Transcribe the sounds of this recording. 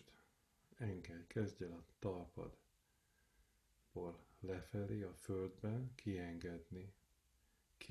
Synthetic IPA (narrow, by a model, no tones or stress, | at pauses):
t̪ | ɛŋɡɛlkʰɛzɟɛlɒt̪ɒlpɒ̰d̪ | b̥oːllɛfɛleːɒføld̪bɛnkʰiɛŋɡɛd̪ni | k